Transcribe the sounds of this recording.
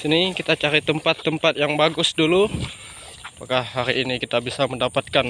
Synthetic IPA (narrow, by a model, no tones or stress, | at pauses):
sinikit̪at͡ʃaɾit̪əmpat̪ːəmpat̪̚jaŋbaɡʊsdulu | pakaɦaɾiʔːnikit̪abisaməndapat̪̚kan